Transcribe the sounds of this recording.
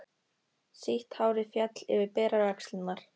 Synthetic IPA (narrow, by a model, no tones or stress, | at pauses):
siht̪haːwɾɪfjat̪lɛ̰vɪpɛːɾaɾakslɪnːaɾ̥